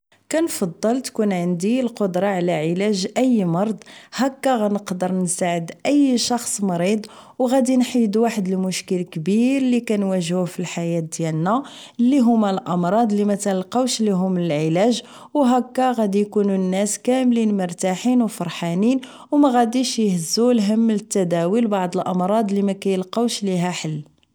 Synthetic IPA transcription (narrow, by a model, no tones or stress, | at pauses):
kænfɑd̪ˤːəlt̪kunʕənd̪ilqod̪ɾˤɑʕlæʕəlæʒʔəjːmɑɾˤd̪ˤhækːæɣænəqd̪əɾˤnsaʕəd̪ʔəjːʃɑxsˤmɑɾid̪ˤ | wɣæd̪inħid̪uwaħəd̪əlmʊʃkəlkbiɾlikænwæʒhufilħajæt̪̚d̪jælnæ | lːiɦʊmːælʔɑmɾˤɑd̪ˤlimæt̪ælqɑwʃliɦʊmːnəlʕəlæʒ | wɦækːæɣæd̪ijkununːæskæmlinməɾˤt̪aħinwfɑɾˤħanin | wmæɣæd̪iʃjəhəzːulɦəmːlət̪ːæd̪æwilbɑʕd̪ˤəlʔɑmɾˤɑd̪ˤlimækæjəlqɑwʃliɦæħəlː